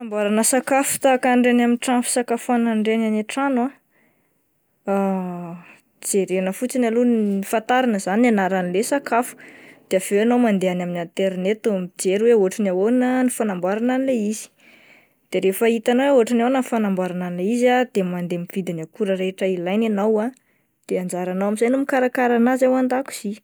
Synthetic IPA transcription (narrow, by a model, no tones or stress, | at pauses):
ambaɾanəsakafu̥t̪akaɳɖ͡ʐenaminʈ͡ʂamfsakafuanaɳɖ͡ʐenanaʈ͡ʂana | a | d͡zeɾenəfut͡sinalunifant̪aɾanəzananaɾanilesakafu̥d̪̥eav̥eanomand̪eanaminant̪eɾnet̪umid͡zeɾweoʈ͡ʂanaonənifanambaɾananileiz̥i̥ | d̪̥eɾefəit̪anweoaʈ͡ʂananəfanambaɾananileizad̪̥emand̪emivid̪inakuɾəɾeʈ͡ʂəilajnanawa | d̪̥eand͡ʒaɾanawamizajnumikaɾakaɾanazawand̪aku̥z̥i